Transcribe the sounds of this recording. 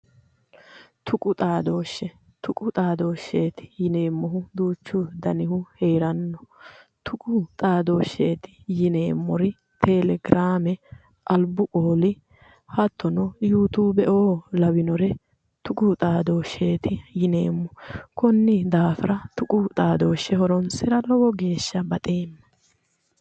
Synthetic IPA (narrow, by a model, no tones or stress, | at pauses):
t̪ʰʊkʼʊt̪ʼaːd̪o̞ːʃːɛ | t̪ʊkʼʊt̪ʼaːd̪o̞ːʃːeːt̪ɪ̥jɪneːmːɔɦʊd̪uːt͡ʃːʊd̪ɐnɪhʊhe̞ːɾɐnːɔ | t̪ʰʊkʼʊt̪ʼaːd̪o̞ːʃːeːt̪ɪ̥jɪne̞ːmːɔɾɪ | t̪ʰɛlɛɡɾaːmɛ | ʔɐlbʊʔoːlɪ | hɐt̪ʰːɔnɔjuːt̪uːbɛʔo̞ːlɐwɪnɔɾɛ | t̪ʊkʼʊt̪ʼaːd̪o̞ːʃːeːt̪ɪjɪne̞ːmːɔkɔnːɪd̪aːfɪɾɐt̪ʊkʼʊt̪ʼaːd̪oːʃːɛhɔɾɔnsɪɾɐlɔwɔɡe̞ːʃːɐbɐt̪ʼe̞ːmːɐ̥